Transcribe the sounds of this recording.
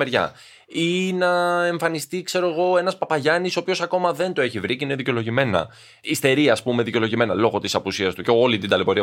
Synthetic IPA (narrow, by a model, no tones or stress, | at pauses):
eɾʝɐ̰ | inɐeɱfɐnist̪ikse̞ɾo̞eɣo̞e̞nɐspɐpɐʝɐnisoːpiço̞sɐko̞mɐðe̞nd̪oeçivɾiceine̞ðiceo̞lo̞ʝime̞nɐ̰ | ist̪e̞ɾiɐːspume̞ðice̞loʝime̞nɐlo̞ɣo̞t̪isɐpusiɐst̪uceo̞lit̪ind̪ɐlepo̞ɾiɐ